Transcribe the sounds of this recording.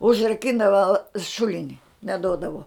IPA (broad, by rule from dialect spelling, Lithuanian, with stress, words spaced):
ʊʒrɐˈkʲɪndɐʋɐ ˈʃʊlʲɪnʲɪ nʲɛˈdoːdɐʋoː